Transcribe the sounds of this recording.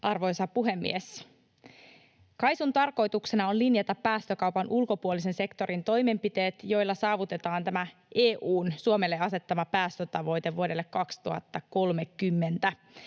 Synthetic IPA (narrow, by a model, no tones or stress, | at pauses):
ʔɑrʋo̞jsɑpuɦe̞mːḭes | kɑjsunt̪ɑrko̞jt̪ukse̞nɑo̞nlinjɑt̪ɑpæːst̪økɑwpɑnʔulko̞puolis̬e̞nse̞kt̪o̞ɾint̪o̞jme̞mpit̪e̞ːt̪jo̞jlːɑsɑːʋut̪e̞t̪ɑːnt̪æmæ | ʔeːʔuːnsuomelːeɑse̞t̪ːɑmɑpæːst̪øt̪ɑʋo̞jt̪e̞ʋʋuo̞delːekːɑkst̪uhɑt̪ːɑko̞lmekːymːe̞nt̪æ